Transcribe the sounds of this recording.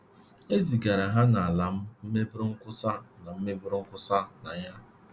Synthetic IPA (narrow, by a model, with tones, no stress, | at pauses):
e˦zi˨ɡa˨ɾa˨ɦa˦na˨a˨la˨m̩˦m̩˦me˦bʊ˦ɾʊ˦ŋ̩˦kʷʊ˦sa˦˨na˨m̩˦me˦bʊ˦ɾʊ˦ŋ̩˦kʷʊ˦sa˦˨na̰˨ja˦